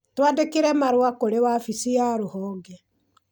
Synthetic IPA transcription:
twandekeɾɛmaɾwakoɾewafisijaɾohɔːŋɡɛ

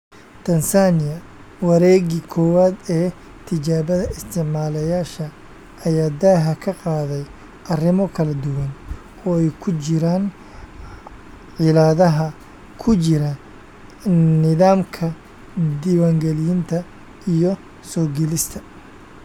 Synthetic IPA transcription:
t̪ʰɐnsaːnɪjɐ | wɑɾɛːɣɪkʰɔːwaːd̪ɛː | t̪ʰɪt͡ʃaːβɐðɐɪst̪ʰɪʕmaːlɛjaːʃɐ | ɐjaːd̪ɐɦɐkʰɐqɑːðɛj | ʔɐrɪmɔkʰɐlɐd̪ʊwɐn | ɔːɛjkʰʊt͡ʃɪɾaːn | ʕɪlaːðɐɦɐ | kʰʊt͡ʃɪɾɐ | nɪðaːmkʰɐ | d̪iwaːŋɡɛlɪjɪnt̪ʰɐ | ijɔ | sɔːɡɛlɪst̪ʰɐ̥

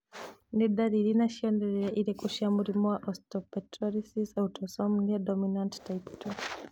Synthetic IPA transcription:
ndiɗaɾilinaʃiɔndɛɾɛɛʔiɾɛkuʃamuɾimwaʔɔstɔpɛtɾɔɾisisautʰɔsɔmniadɔminanttajptʰɔ

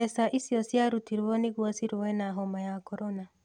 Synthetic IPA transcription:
ɛsaʔisjɔsjaɾutiɾwɔneɣwasiɾwɛnaɦɔmajakɔɾɔna

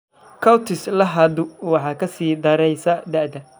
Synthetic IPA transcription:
kʰɐwt̪ʰɪslɐɦɐd̪ʊwɑħɑːkʰɐsiːd̪ɐɾɛjsɐd̪ɐʕd̪ɐ

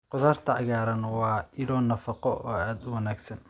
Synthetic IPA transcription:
qʊðaːrt̪ʰɐʕɑɣaːɾɐnwɑːɪlɔːnɐfɑqɔʔɔːaːd̪ʊwɑnaːɡsɐn

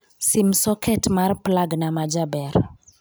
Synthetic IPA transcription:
simsɔkʰɛtmarplaɡnamad͡ʒabɛɾ

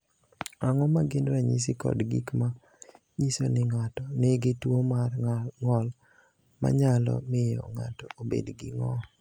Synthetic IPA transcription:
aŋɔmaɡɪnɾaɲisikɔ̰dɡikma | ɲisonɪŋatɔnɪɡɪtwomŋɔl | ma̰ɲalɔ̰mɪjɔ̰ŋa̰tɔobḛdɡɪŋɔ

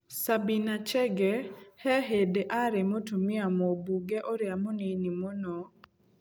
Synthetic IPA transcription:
sabinat͡ʃɛɡɛhɛɦedeʔaɾemotumɪamobuɡɛʔɔɾjamoninimonɔ

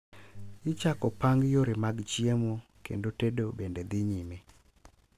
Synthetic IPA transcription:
ɪt͡ʃakɔpaŋɡjoɾɪmaɡt͡ʃiemokḛndotedobended̪ɪɲime

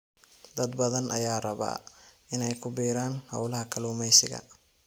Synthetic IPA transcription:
d̪ɐd̪bɐðɐnʔɐjaːrɐβa̰ːʔɪnɛjkʰʊbiːɾaːnhɐ̰wlɐɦɐkʰɐluːmɛjsɪ̰ɣɐ̰

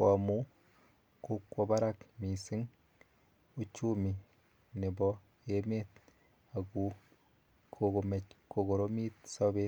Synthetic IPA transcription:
wamu | kokwoβaɾakmisiŋ | ut͡ʃumi | nebɔ | emet̪̚ | aku | kʰoomekoɣoɾomit̪saβe

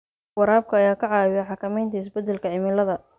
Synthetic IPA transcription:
wɑɾaːb̚kʰɐːjaːkʰɐʕɑːwɪjɐħɑkʰɐmɛjnt̪ʰɐɪs̬bɐd̪ːɛlkʰɐʕɪmɪlɐðɐ

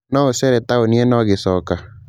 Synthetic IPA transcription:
nɔosɛɾɛtaoniɛnɔɣɪsɔka

